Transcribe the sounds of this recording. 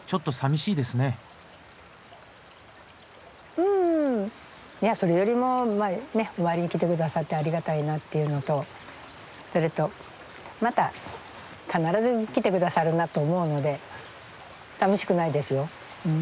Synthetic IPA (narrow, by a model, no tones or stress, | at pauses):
t͡ɕo̞t̪ːo̞samʲiɕiːd̪esɨne̞ | ɯ̃ː | jaso̞ɾe̞jo̞ɾʲimo̞mane̞o̞maɾʲiɲ̟ikʲit̪̬e̞kɯ̟d̪asat̪ːe̞aɾʲiɡat̪ainat̪ːe̞jɯ̟no̞t̪o̞ | so̞ɾe̞t̪o̞ | mat̪a | kanaɾazɨkʲit̪e̞kɯ̟d̪asaɾɯ̟nat̪o̞ːmo̞ɯ̟no̞d̪e̞ | samʲiɕi̥kɯ̟naid̪e̞sɨjo̞ | ɯ̟̃ː